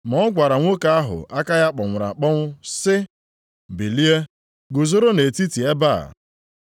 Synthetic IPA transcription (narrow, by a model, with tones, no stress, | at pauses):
mɔ˨˦ɔ˦ɡʷa˨ɾa˨ŋʷo˦ka˦a˦ɦʊ̰˨ʔa˦ka˦ja˦k͡pɔ˨ŋʷʊ˨ɾa̰˨k͡pɔ˦ŋʷʊ˦sɪ˦ | bi˨li˦e˦ | ɡo˨zo˦ɾo˦ne˨ti˦ti˨e˦ba̰˦˨